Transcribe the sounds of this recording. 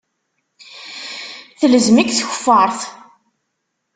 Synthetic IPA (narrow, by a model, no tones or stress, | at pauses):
θələzmikθçə̥fːɑɾˤθ